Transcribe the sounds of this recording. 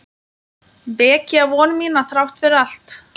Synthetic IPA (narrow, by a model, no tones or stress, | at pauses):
pɛːciavɔːnmiːnaθɾawht̪fɪɾɪðal̥t̪